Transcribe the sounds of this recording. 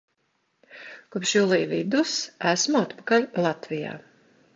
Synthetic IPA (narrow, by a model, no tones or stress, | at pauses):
kupʃjulˠiːvid̪usæsmuat̪pḁkalʲlˠat̪vija̰ː